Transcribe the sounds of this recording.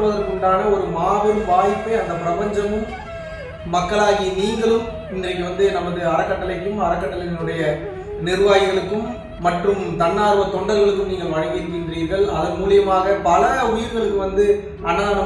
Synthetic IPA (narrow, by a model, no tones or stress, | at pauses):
ɯʋɐðɐɾkɔɳɖaːnɐɔɾɯmaːʋɪɾɯmʋaːɣɪpːɯɐnd̪ɐpɪɾɐpɐɲd͡ʒɐmɯmː | ɐkːɐɭaːɣijɐniːŋɡɐɭɯm | ɪndrɐk̬ːɯʋɐnd̪ɯnɐmɐðɯɐɾɐkːɐʈːɐlɐɪkːɯmɐɾɐkːɐʈːɐlɐnɯɽɐjɐ | nɪɾɯʋaːjɪɣɐɭɯkːɯmː | ɐʈrɯmt̪ɐnːaːɾɯʋɐt̪ɔɳɖɐɾɣɐɭɯk̬ːɯmniːŋɡɐɭʋɐɻɐɣɪɾɯkːɪndriːɾɣɐɭɐðɐnmuːlɪjɐmaːɣɐpɐlɐʊjɪɾɣɐɭɯkːɯʋɐnd̪ɯ | ʔɐnːaːnɐ